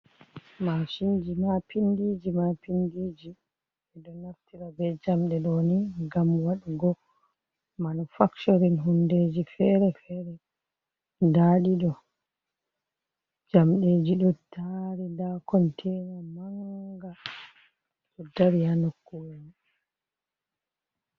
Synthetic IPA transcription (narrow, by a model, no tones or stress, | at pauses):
maʃind͡ʒimapindid͡ʒimapindid͡ʒi | ɛɗɔnaftiɾabɛd͡ʒamɗɛɗɔniɡamwaɗiɡɔ | manufaktoɾinɦundeːd͡ʒifɛɾɛfɛɾɛ | ndaɗiɗɔ | d͡ʒamɗed͡ʒiɗɔtʰaɾindakɔntʰɛnamaŋɡa | ɗɔdaɾihanokːuni